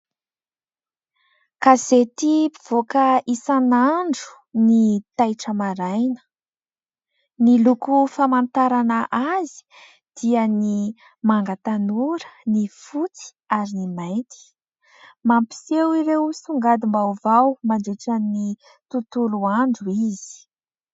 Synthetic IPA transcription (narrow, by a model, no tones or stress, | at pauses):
kazet̪ipiv̥okəisanaɳɖ͡ʐu̥ | nit̪ajʈ͡ʂəmaɾajnə̥ | nilukufamant̪aɾanaʔazi̥ | d̪̥iəni | maŋɡat̪anuɾə̥nifut͡si̥ | aɾinimajnt̪i̥ | mampi̥sewiɾewsuŋɡad̪imbawvawmaɳɖ͡ʐeʈ͡ʂani | t̪ut̪uluaɳɖ͡ʐuiz̥i̥